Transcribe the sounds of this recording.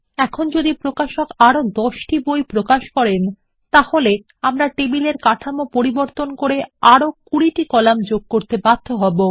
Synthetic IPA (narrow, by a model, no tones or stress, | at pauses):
ɛkʰond͡ʑod̪ipɾokaʃokaɾod̪ɔʃʈibojpɾokaʃkɔɾen | t̪ahole | amɾaʈebileɾkaʈʰamopoɾiboɾt̪onkoɾeaɾokuɾiʈikɔlamd͡ʑoɡ̚koɾt̪ebad̪̥ʱːoɦɔbo